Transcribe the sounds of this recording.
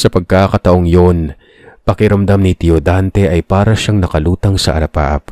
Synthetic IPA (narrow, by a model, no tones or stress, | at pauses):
sɐpɐɡ̚kaːkɐt̪ɐʔo̞ŋjo̞n | pɐkɪɾɐmd̪amnit̪iod̪ant̪ɛʔɐjpaːɾɐʃaŋnɐkɐluːt̪ɐŋsɐ̰ʔɐ̰ɐpa̰ːʔɐ̰p